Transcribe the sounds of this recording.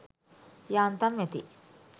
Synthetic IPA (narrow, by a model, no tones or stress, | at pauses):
jaːnt̪ɐmet̪ḭ